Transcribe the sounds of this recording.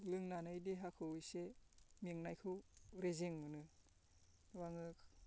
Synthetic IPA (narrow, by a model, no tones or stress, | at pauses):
lɯŋnanɯjdiɦakʰɯwɯjsemiŋnajkʰɯwɾezeŋmɯnɯ | waŋɯkʰ